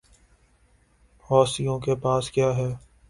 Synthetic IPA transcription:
hɔːsijõkepaːskjaːɦɛː

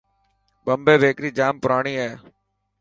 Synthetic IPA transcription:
bəmbeːʋeːkɾiːd͡ʒaːmpʊɾaːɳ̃iːeː

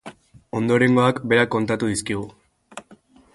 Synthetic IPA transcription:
o̞nd̪o̞ɾe̞ŋɡo̞akbe̞ɾakːo̞nt̪at̪uð̞iskiɣ̞u

